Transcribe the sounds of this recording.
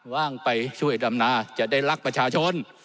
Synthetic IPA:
waː˥˩ŋpa˧jt͡ɕʰu˥˩əjda˧mnaː˧˩t͡ɕa˨˩ʔdaː˥˩jla˦˥k̚pɾa˧t͡ɕʰaː˧t͡ɕʰo˧˥n

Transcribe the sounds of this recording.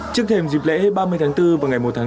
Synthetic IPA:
t͡ɕɨ˦˥ək̚t̪ʰe˧mzi˨˩p̚lɛ̰˧˥˦ɓaː˧mɨ˧əjt̪ʰaː˨˦ŋt̪ɨ˧vaː˨˩wŋa˨˩jmo˨˩t̚t̪ʰaː˨˧˦

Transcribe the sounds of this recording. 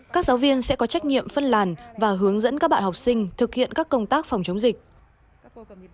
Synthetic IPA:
kaː˦˥k̚zaː˨˦wvi˧ənsɛ̰˧˥kɔ˨˦t͡ɕa˦˥jk̟̚ɲḭ˧˨əmfə˧nlaː˨˩nvaː˨˩ɦɨ˨˦əŋzə̰˧˥nkaː˦˥ɓa̰ː˧˨ha˨˩k͡p̚sï˧ŋ̟t̪ʰɨ˨˩k̚hḭ˧˨ənkaː˦˥kːə˧wŋ͡mt̪aː˦˥k̚fa˨˩wŋ͡mt͡ɕə˨˦wŋ͡mzï˨˩k̟̚

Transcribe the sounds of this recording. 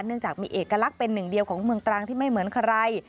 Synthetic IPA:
nːɯ˥˩əŋt͡ɕaː˨˩k̚miː˧ʔeː˨˩kːa˧la˦˥k̚pe˧nːɯ˨˩ŋdi˧əwkʰɔː˩˦ŋmɯ˧əŋt̪ɾaː˧ŋt̪ʰiː˥˩ma˥˩jmɯ˩˦ənkʰa˧ɾa˧j

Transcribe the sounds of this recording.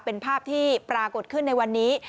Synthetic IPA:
pe˧npʰaː˥˩p̚t̪ʰiː˥˩pɾaː˧ko˨˩t̪̚kʰɯ˥˩nːa˧jwa˧nːiː˦˥

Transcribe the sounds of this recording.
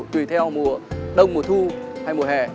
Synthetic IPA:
t̪wḭ˨˧˩t̪ʰɛ˧wmu˨˩əɗə˧wŋ͡mmu˨˩ət̪ʰu˧ha˧jmu˨˩əhɛ̰˧˨˩

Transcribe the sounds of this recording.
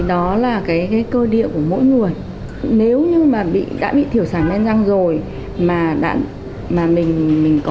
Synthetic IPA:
ɗɔ˨˦laː˨˩kaː˨˦jkaː˨˦jkəː˧ɗḭ˧˨əku˧˩əmo̰˧˥jŋɨ˨˩əj | ne˨˦wɲɨ˧maː˨˩ɓḭ˧˨ɗa̰ː˧˥ɓḭ˧˨t̪ʰi˧˩əwsaː˧˩nʔɛ˧nza˧ŋzo˨˩j | maː˨˩ɗa̰ː˧˥ | maː˨˩mï˨˩ŋ̟mï˨˩ŋ̟kɔ˨˦

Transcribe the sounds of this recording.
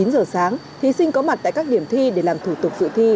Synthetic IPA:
i˨˦nzəː˨˩saː˨˦ŋ | t̪ʰi˨˦sï˧ŋ̟kɔ˨˦ma˨˩t̪̚a̰ː˧˨jkaː˦˥k̚ɗi˧˩əmt̪ʰi˧ɗe˧˩laː˨˩mt̪ʰu˧˩t̪ʊ˨˩k͡p̚zɨ̰˧˨t̪ʰi˧

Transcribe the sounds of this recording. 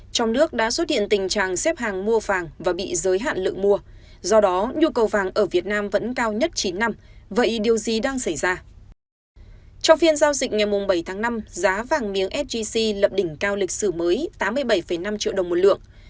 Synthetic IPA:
t͡ɕɔ˧wŋ͡mnɨ˦˥ək̚ɗa̰ː˧˥swə˦˥t̚hḭ˧˨ə˨nt̪ï˨˩ŋ̟t͡ɕa̰ː˧˨ŋsɛ˦˥p̚ɦaː˨˩ŋmu˧əvaː˨˩ŋvaː˨˩ɓḭ˧˨zəː˨˦jɦa̰ː˧˨nlɨ̰˧˨əŋmu˧ə | zɔ˧ɗɔ˨˦ɲu˧kə˨˩wvaː˨˩ŋʔəː˧˩vi˨˩ət̚naː˧mvə̰˧˥nkaː˧wɲə˦˥t̚t͡ɕi˨˦nːa˧mvə̰˧˨jɗi˨˩əwzi˨˩ɗaː˧ŋsa˧˩jzaː˧ | t͡ɕɔ˧wŋ͡mfi˧ənzaː˧wzï˨˩k̟̚ŋa˨˩jmʊ˨˩ŋ͡mɓə˧˩jt̪ʰaː˨˦ŋna˧mzaː˨˦vaː˨˩ŋmi˨˦əŋʔɛ˦˥p̚vi˧si˧lə˨˩p̚ɗï˧˩ŋ̟kaː˧wlï˨˩k̟̚sɨ˧˩məː˨˦jt̪aː˨˦mːɨ˧əjɓə˧˩jfə˧˩jna˧mt͡ɕḭ˧˨əwɗə˨˩ŋ͡mmo˨˩t̚lɨ̰˧˨əŋ

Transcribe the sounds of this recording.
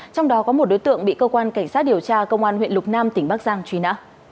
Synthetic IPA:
t͡ɕɔ˧wŋ͡mɗɔ˨˦kɔ˨˦mo˨˩t̚ɗo˨˦jt̪ɨ̰˧˨əŋɓḭ˧˨kəː˧kwaː˧nka˧˩jŋ̟saː˦˥t̚ɗi˨˩əwt͡ɕaː˧kə˧wŋ͡mʔaː˧nhwḭ˧˨nlʊ˨˩k͡p̚naː˧mt̪ï˩ŋ̟ɓaː˦˥k̚zaː˧ŋt͡ɕwi˧˦na̰ː˧˥

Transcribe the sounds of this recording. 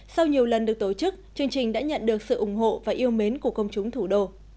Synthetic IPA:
sa˧wɲi˨˩əwlə˨˩nɗɨ˨˩ək̚t̪o˧˩t͡ɕɨ˦˥k̚t͡ɕɨ˧əŋt͡ɕï˨˩ŋ̟ɗa̰ː˧˥ɲə̰˧˨nɗɨ˨˩ək̚sɨ̰˧˨ʔʊ˧˩ŋ͡mɦo̰˧˨vaː˨˩ʔi˧əwme˨˦nku˧˩əkə˧wŋ͡mt͡ɕʊ˨˦ŋ͡mt̪ʰu˧˩ɗo˧

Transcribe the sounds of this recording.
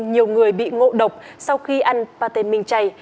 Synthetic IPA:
ɲi˨˩əwŋɨ˨˩əjɓḭ˧˨ŋo̰˧˨ɗə˨˩wk͡p̚sa˧wxi˧ʔa˧jnpaː˧t̪e˧˩nmï˨˩ŋ̟t͡ɕa˧˩j

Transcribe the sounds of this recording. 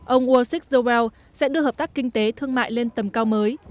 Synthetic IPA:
ʔə˧wŋ͡mʔwo˧si˦˥k̚zo˧wɛ˧w | sɛ̰˧˥ɗɨ˧əɦəː˨˩p̚t̪aː˦˥kːï˧ŋ̟t̪e˨˦t̪ʰɨ˧əŋma̰ː˧˨jle˧nt̪ə˨˩mkaː˧wməː˨˦j

